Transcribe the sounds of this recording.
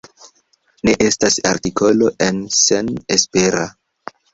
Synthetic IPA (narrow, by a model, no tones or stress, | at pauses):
ne̞ʔe̞stasa̰ɾtikʰo̞lo̞ʔe̞nse̞nespe̞ɾa